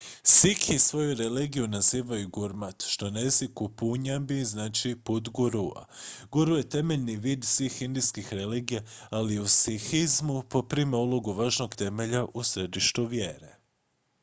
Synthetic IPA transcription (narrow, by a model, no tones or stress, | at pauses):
sikʰisʋo̞juɾeliːɡijunaziːʋajuɡuɾmat̪ʃt̪onezikupuɲabiznaːt͡ʃiput̪ɡuɾua̰ɡuɾujet̪e̞meʎniʋiːd̪sʋixind̪ijskixɾeliːɡijaaliusixizmupo̞pɾimaulˠoɡuʋaːʒno̞ɡt̪e̞meʎaʔusɾed̪iʃt̪uʋjeːɾe̞